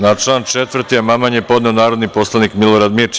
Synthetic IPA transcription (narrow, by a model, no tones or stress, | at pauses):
nat͡ʃlˠaːnt͡ʃet̪ʋr̩t̪iamamaɲepo̞d̪nɛonaːɾo̞d̪nipo̞slˠaniːkmiloɾad̪mit͡ʃ